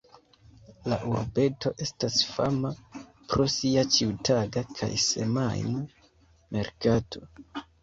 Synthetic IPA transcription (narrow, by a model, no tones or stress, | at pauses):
laʔuɾbe̞to̞ʔe̞stasfama | pɾo̞siat͡ʃiutaɡakʰa̰jse̞̰majna | mʔe̞ɾkatʰo̞